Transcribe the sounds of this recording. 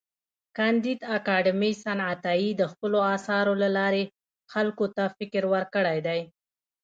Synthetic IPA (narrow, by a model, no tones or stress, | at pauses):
kand̪id̪akɑɖəmisanat̪ɑid̪əxpəloɑsɑɾolalɑɾe | xalkot̪afɪkɾwəɾkəɽajd̪aj